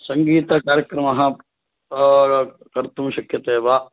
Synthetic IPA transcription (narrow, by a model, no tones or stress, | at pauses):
sɐŋɡiːt̪ɐkaːɾjɐkɾɐmɐɦɐ̆ | kɐɾt̪umɐʃɐkʰjɐt̪eːʋaː